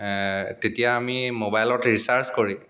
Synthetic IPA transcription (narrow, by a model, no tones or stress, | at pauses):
tetijaːmimobajlɔtɹisaɹskoɹi